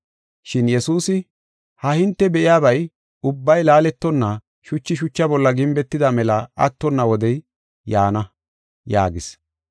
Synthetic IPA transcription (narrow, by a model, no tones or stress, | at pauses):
ʃɪnjɛsuːsɪ | hɐhɪnt̪ːɛbɛʔɪjaːbɐj | ʊbːɐjlaːlɛt̪ːɔnːɐ | ʃʊt͡ʃːɪʃʊt͡ʃːɐbɔlːɐɡɪmbɛt̪ːɪd̪ɐmɛlɐɐ̰t̪ːɔnːɐwɔd̪ɛj | jaːnɐ | ja̰ːɡɪs